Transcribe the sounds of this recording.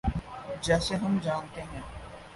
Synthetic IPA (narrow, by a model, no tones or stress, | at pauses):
d͡ʒɛːseɦɐmd͡ʒaːnt̪eɦɛ̃ː